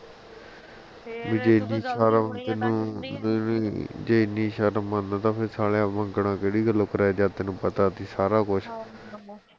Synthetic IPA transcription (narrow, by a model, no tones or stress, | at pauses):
ʋiːd͡ʒeːnĩːʃaːɾat̪ɪnũː | d͡ʒeːɪnĩːʃaːɾəmãnd̪ãːt̪ãːpʰɪɾsaːɽeãːmə̃ŋɡɽãːkeːɽiːɡəlːoːkəɾaːjd͡ʒaːt̪eːnũːpət̪aːt̪iːsaːɾaːkʊt͡ʃʰ